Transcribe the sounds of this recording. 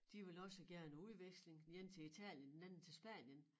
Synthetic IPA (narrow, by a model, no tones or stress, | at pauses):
d̥iʋe̝lɒ̽səɡ̥æɐnuðˠʋeɡ̥sle̝ŋjent͡sʰe̝it͡sʰɛ̰ːljənd̥enænn̩t͡sʰe̝lsb̥æ̰njən